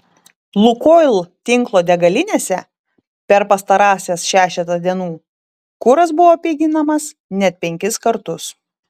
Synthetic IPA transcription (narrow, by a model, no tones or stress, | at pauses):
lˠʊkoːlˠt̪ʲɪŋklˠoːd̪ʲɛɡɐlʲɪnʲeːsʲɛ | pʲɛɾpɐst̪ɐɾɑːsʲesʃʲæːʃʲɛt̪ɐd̪ʲiɛnuː | kʊɾɐs̬bʊʋoːpʲiːɡʲɪnɐmɐs | nʲɛt̪̚ʲpʲɛŋʲkʲɪskɐɾt̪ʊs